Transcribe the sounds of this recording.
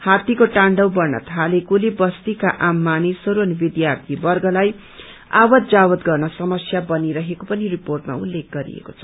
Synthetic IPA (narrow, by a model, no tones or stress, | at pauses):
hat̪ikoʈaɳɖʌwbʌrnʌ̰t̪ʰalekulebʌst̪ikaʔamːanisʌɾuʌnibid̪jart̪ʰibʌrɡʌlaj | a̰wʌt̪d͡zawʌt̪ɡʌrnʌsʌmʌsjabʌniɾʌɦekopʌniriporʈma̰ulːek̚ʰɡʌɾḭḛkot͡sʰʌ̥